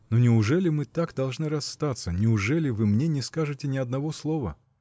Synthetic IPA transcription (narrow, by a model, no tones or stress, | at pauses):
nonʲɪʊʐɛlʲɪmɨt̪akd̪ɐlˠʐnɨɾɐsːt̪at̪sənʲɪʊʐɛlʲɪvɨmnʲenʲɪskaʐɨtʲɪnʲɪɐd̪nɐvo̞slˠo̞və̰